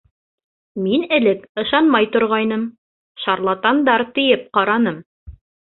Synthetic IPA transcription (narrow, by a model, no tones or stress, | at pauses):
minɘ̆lɘkɤ̆ʃɑnmɑjt̪ŏɾʁɑjnɤm | ʃɑɾlˠɑt̪ɑnd̪ɑɾt̪ɘ̆jɘp̚qɑɾɑnɤm